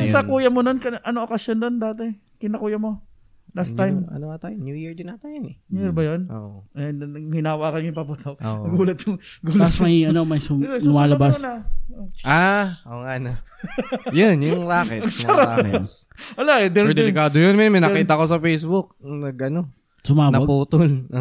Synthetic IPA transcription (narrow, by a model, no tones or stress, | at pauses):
ʔɪsɐkuːjɐmononkɐʔɐnoŋʔokɐsjonːond̪aːt̪ɛ | kɪnɐkuːjɐmo̞ | last̪ːajmmɐ̰noat̪ajnjujiɹd̪ɪnɐt̪ajonɛnuiɹbɐjononhɪnaːwaːkɐnŋɪpabʊt̪ʰokoɡuːlɐt̪̚ʊŋɡuːlɐsmɐjɐnomɐjsʊɐjsʊmaːlɐbasnɐʔoʔaʔoːŋana | jonjʊŋlaːkɛ̰ɐsɐɾa̰ | wɐlaɛd̪ɛd̪ɛlɪkaːd̪ojonmɛnmɐjnɐkiːt̪ɐko̞s̬ɐfejsbʊk̚nɐɡʔɐno | sʊmanɐpuːt̪olo